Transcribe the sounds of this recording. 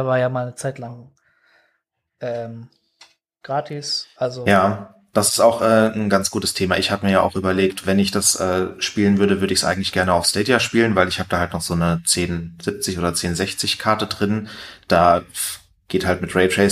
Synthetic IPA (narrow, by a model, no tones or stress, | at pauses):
vaːɐjaːmaːlnət͡saɪtlaŋ | ʔɛːm | ɡ̥ʁaːtʰɪsʔalzojaː | d̥asɪ̥staʊxʔɛːn̩ɡant͡sɡ̥uːtəstʰeːmaʔɪçhaːbəmiːɐjaːʔa̰ʊxʔyːbɐleːktv̥ɛnɪçd̥asʔɛːʃpiːlənvʏɐɾəvʏɐɾəɪçsʔa̰ɪɡŋ̩tlɪçɡ̥ɛɐnəaʊfstɛːdjaʃpiːlənvaɪlɪçhaːbəd̥aːhaltnɔχz̥oːnət͡seːnz̥ɪp̚t͡sɪçoːdɐt͡seːnzɛçt͡sɪçkʰaɐtədʁɪnd̥aː | ɡ̥eːthaltmɪtʁɛɪtʁɛː